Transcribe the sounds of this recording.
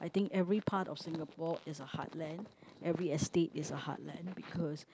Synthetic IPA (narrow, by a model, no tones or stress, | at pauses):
ʔajt̪ɪ̃ŋkɛvɹipʰatɔ̰fsɪ̃ŋəpɔɪsəha̰tlɛ̃nʔɛvɹiɛstetɪsəha̰t̚lɛ̃nbikʰɔs